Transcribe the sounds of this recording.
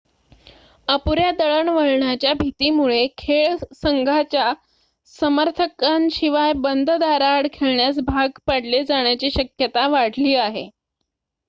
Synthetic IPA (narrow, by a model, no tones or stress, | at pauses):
əpuɾjad̪əɭəɳʋəɭɳjat͡ɕjabʱit̪iːmuɭekʰeɭsəŋɡʱat͡ɕja | səməɾt̪ʰəkanɕiʋajbənd̪ʱd̪aɾaɽkʰeɭɳjasbʱaɡpaɽled͡zaɳjat͡ɕiːɕəkjət̪aʋaɽ̤liːaɦḛ